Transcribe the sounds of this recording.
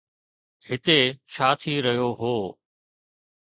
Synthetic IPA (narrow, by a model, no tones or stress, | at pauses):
ɦɪt̪et͡ʃʰaːt̪ʰiːɾɐɦijoɦoː